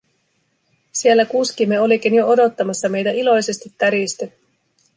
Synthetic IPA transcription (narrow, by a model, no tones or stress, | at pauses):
sielːækuskimːeolik̟injoo̞do̞t̪ːɑmɑsːɑme̞jt̪æilo̞jse̞st̪it̪ːæɾist̪y